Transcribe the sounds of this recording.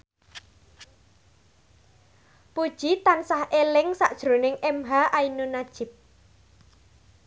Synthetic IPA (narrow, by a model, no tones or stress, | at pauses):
pud̥ʒ̥it̪ansahʔelɪŋsaʔd̥ʒ̥ɾonɪŋɛmɦaʔainunad̥ʒ̥ɪp̚